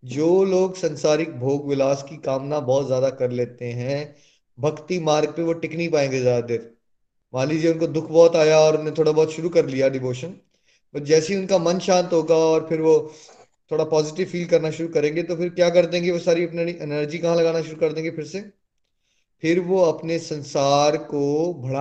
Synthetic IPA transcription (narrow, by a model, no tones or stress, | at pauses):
d͡ʒoːloːɡsɐ̃nsaːɾɪk̚bʱoːɡʋɪlaːskikaːmnabɔːt̪zjaːd̪akɐɾleːt̪eɦɛ̃ | bʱɐɡt̪imaːɾɡ̚peʋoʈɪknipaːẽːŋɡezaːd̪ad̪ɪɾ | maːlid͡ʒeʊnkod̪ʊkʰbɔːt̪aːjaɔːɾʊnɦẽt̪ʰoːɽabɔːt̪ʃʊɾukɐɾlijaɖɪʋoːʃən | pɐtd͡ʒɛːseɦiʊnkamɐnʃãːnt̪ɦoːɡaɔːɾpʰɪɾʋo | t̪ʰoːɽapɔːzɪʈɪʋfiːlkɐɾnaʃʊɾukɐɾẽːŋɡet̪opʰɪɾkjaːkɐɾd̪ẽːŋɡeʋosaːɾiɐpneiʔɛnəɾd͡ʒikɐɦãlɐɡaːnaʃʊɾukɐɾd̪ẽːŋɡepʰɪɾse | pʰɪɾʋoɐpnesɐ̃nsaːɾkobʱɐɽa